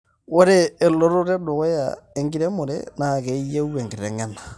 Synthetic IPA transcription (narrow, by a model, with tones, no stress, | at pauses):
wo˦ɾeː˦˨lo˦ɾo˦ɾe˦do˨ɣo˦ja̰˨e˦ŋɡi˦ɾe˦mo˨ɾḛ˦na˨ɣe˨i˦je˦u˦we˨ŋɡe˨ɾe˨ŋa˦na˨